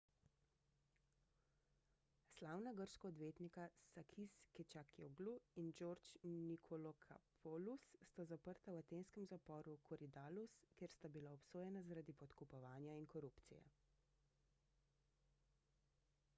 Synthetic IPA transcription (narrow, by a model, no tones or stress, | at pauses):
slaːwnaɡəɾʃkɔɔd̪ʋeːt̪nikasakʰiskɛt͡ʃakioɡluind͡ʒoɾt͡ʃnikʰɔlɔkʰa̰pʰɔlusːt̪azapəɾt̪awat̪enskɛmzapɔːɾukʰɔɾid̪aːluskeːɾst̪abilaɔpsoːjɛnazaɾad̪ipɔt̪kupɔʋaːnjainkɔɾuːpt̪sḭjɛ̰